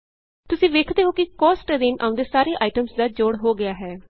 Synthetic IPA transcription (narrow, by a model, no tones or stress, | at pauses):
t̪ʊsĩːʋeːkʰd̪eːɦoːkikɔːsʈːd̪ɪnʔã̰ːʊ̃nd̪eːsaːɾeːʔaːiʈəmsd̪aːd͡ʒoːɽɦoːɡɪaːɦɛː